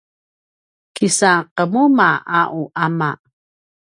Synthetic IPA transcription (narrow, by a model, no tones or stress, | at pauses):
kisaqəmumaʔaʔuʔama̰